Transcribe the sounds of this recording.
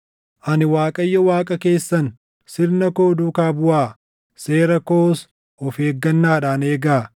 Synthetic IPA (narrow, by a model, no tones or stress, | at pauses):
ʔɐnɪwaːkʼɐjːɐwaːkʼɐke̞ːsːɐn | sɪɾnɐko̞ːd̪uːkaːbʊʔaː | se̞ːɾɐkoːs | ɔfeːɡːɐnːaːᶑaːneːɡaː